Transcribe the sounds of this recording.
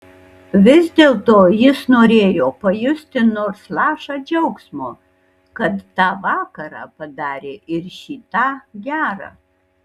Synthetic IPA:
ʋʲɪzʲd̪ʲeːlˠt̪oːjɪsnoːɾʲeːjoːpɐjʊsʲt̪ʲɪnoːɾslˠɑːʃɑːd͡ʒʲɛʊksmoː | kɐt̪ːɑːʋɑːkɐɾɑ̰ːpɐd̪ɑːɾʲeːʔɪɾʃʲiːt̪ɑːɡʲæːɾɑ̰ː

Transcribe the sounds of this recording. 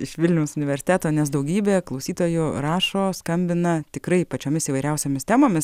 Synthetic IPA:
ɪʃʋʲɪlʲnʲɛʊsʊnʲɪʋʲɛɾʲsʲɪ̥t̪ʲæːt̪oːnʲɛs̬d̪ɐʊɡʲiːbʲeːklˠɐʊsʲiːt̪oːjʊɾɑːʃoːskɐmʲbʲɪnɐt̪ʲɪkɾɐɪpɐt͡ʃʲoːmʲɪsiːʋɐɪɾʲɛʊsʲoːmʲɪst̪ʲæːmoːmʲɪs

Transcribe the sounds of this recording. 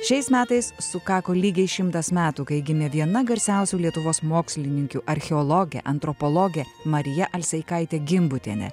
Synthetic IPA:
ʃʲɛɪsmʲæːt̪ɐɪssʊkɑːkoːlʲiːɡʲɛɪʃʲɪmt̪ɐsmʲæːt̪uːkɐɪɡʲɪmʲɛʋʲiɛnɐɡɐɾʲsʲæˑʊsʲuːlʲiɛt̪ʊʋoːsmoːksʲlʲɪnʲɪŋʲkʲuʔɐɾʲxʲɛɔlˠɔɡʲɛ̰ʔɐnt̪ɾɔpɔlˠɔɡʲɛmɐɾʲɪjɛʔɐlʲsʲɛɪkɐɪt̪ʲeːɡʲɪmbʊt̪ʲḛnʲɛ̰

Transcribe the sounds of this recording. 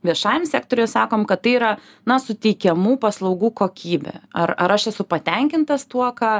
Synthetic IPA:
ʋʲiɛʃɑːjɛmsʲæːkt̪oːɾʲɛːsɑːkoːmkɐt̪̚t̪ːɐɪiɾɐ | nɐsʊt̪ʲɛɪkʲɛmuːpɐslˠɐʊɡuːkoːkʲiːbʲɛ̰ɐrɐɾɐʃɛsʊpɐt̪ʲɛŋʲkʲɪnt̪ɐst̪uɔkɑː

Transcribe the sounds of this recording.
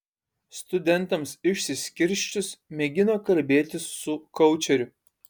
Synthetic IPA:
st̪ʊd̪ʲɛnˑt̪ɐmsɪʃʲsʲɪsʲkʲɪɾʲʃʲt͡ʃʲʊsmʲɛɡʲɪnoːkɐlʲbʲeːt̪ʲɪsːʊkɔʊt͡ʃʲɛɾʲʊ

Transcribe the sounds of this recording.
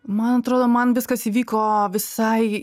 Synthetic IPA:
mɐnɐt̪ɾoːd̪oːmɐnʋʲɪskɐsiːʋʲiːkoːʋʲɪsɐɪ

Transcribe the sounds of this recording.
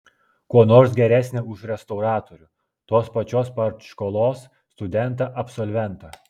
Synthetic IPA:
kuɔnoːɾsɡʲɛɾʲæːsʲnʲeʊʃɾʲɛst̪ɒʊɾɑːt̪oɾʲʊ | t̪oːspɐt͡ʃʲoːspɐɾt̪ʃkoːlˠoːsːt̪ʊd̪ʲɛnˑt̪ɑʔɐpsɔlʲʋʲɛnt̪ɐ

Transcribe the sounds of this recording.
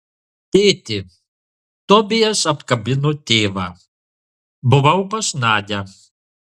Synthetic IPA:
t̪ʲeːt̪ʲɪ | t̪ɔbʲɪjɛsɐpkɐbʲɪnot̪ʲeːʋɑː | bʊʋɐʊpɐsnɑːd̪ʲɛ

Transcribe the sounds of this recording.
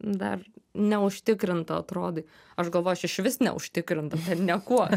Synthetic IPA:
d̪ɐ̰rnʲɛʊʃʲt̪ʲɪkɾʲɪnt̪ɐɐt̪ɾoːd̪ɐɪ | ɐʃɡɐlˠoːjoɐʃɪʃʋʲɪsnʲɛ̰ʊ̰ʃʲt̪ʲɪkɾʲɪnt̪ɐt̪ʲɛnnʲɛkuɔ

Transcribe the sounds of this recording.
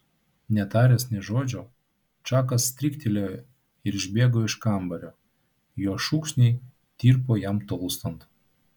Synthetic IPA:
nʲɛt̪ɑːɾʲɛsʲnʲɛʒoːd͡ʒʲo | t͡ʃɑːkɐsːt̪ʲɾʲikt̪ʲelʲo | ɪɾɪʒʲbʲeːɡoɪʃkɑˑmbɐɾʲoː | joːʃukʃʲnʲe | t̪ʲiːɾpojæmt̪olˠst̪ɐnt̪

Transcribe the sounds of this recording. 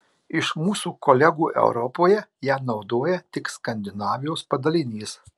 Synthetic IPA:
ɪʃmuːsuːkɔlʲɛɡuːʔɛ̰ʊɾɔpoːjɛjæːnɒʊd̪oːjɛt̪ʲɪkskɐnʲd̪ʲɪnɑːʋʲɪjoːspɐd̪ɐlʲɪnʲiːs

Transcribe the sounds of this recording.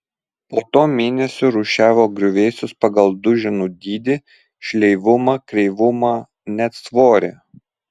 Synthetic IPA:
poːt̪oːmʲeːnʲɛsʲʊɾuːʃʲæːʋʲoːɡɾʲʊʋʲeːsʲʊspɐɡɐlˠd̪ʊʒʲɪnuːd̪ʲiːd̪ʲɪ | ʃʲlʲɛɪʋʊmɑkɾʲɛɪʋʊmɑː | nʲɛt̪sʋoːɾʲeː

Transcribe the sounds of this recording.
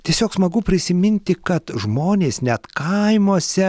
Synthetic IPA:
t̪ʲiɛsʲoːksmɐɡʊpʲɾʲɪsʲɪmʲɪnʲt̪ʲɪkɐt̪ʒmoːnʲeːsnʲɛt̪kɐɪmoːsʲɛ

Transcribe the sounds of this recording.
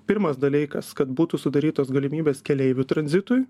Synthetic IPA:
pʲɪɾmɐsd̪ɐlʲiɪkɐ̰skɐt̪buːt̪usʊd̪ɐɾʲiːt̪oːsɡɐlʲɪmʲiːbʲeːskʲɛlʲɛɪʋʲʊt̪ɾɐnʲzʲɪt̪ʊj

